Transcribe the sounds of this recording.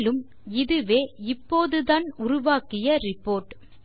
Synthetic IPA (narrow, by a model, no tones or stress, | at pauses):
lɯm | ɪðɯʋeːɪpːoːðɯðaːnʊɾʊʋaːkɪjɐɾɪpːoːɾʈ